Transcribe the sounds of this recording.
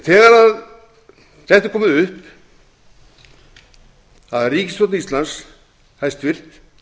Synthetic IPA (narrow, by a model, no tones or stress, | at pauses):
θɛːɣaɾað | θɛht̪ḁkʰɔːmʏðʏhp | aðriːcɪst̪ɔt̪nist̪lans | hajst̪vɪr̥t̪